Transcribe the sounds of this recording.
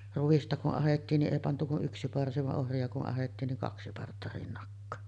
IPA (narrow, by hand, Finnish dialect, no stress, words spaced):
ruʋ̆istɑ kuʔ ʔɑhetːiːn ni ʔeˑi pɑntu kuʔ ʔyksi pɑrsi ʋɑʔ ʔohriɑ kuʔ ʔɑhetːiːn niŋ kɑksi pɑrtːɑ rinːɑkːɑː